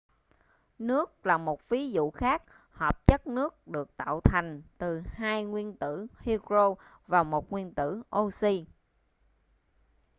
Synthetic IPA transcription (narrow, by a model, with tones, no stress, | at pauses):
nɨ˦˥ək̚laː˨˩mo˨˩t̚vi˨˦zṵ˧˨xaː˦˥k̚ | həː˨˩p̚t͡ɕə˦˥t̚nɨ˦˥ək̚ɗɨ˨˩ək̚t̪a̰ː˧˨wt̪ʰa˨˩jŋ̟t̪ɨ˨˩haː˧jŋwi˧ənt̪ɨ˧˩hi˧kɹo˧ | vaː˨˩mo˨˩t̚ŋwi˧ənt̪ɨ̰˧˥ʔo˧si˧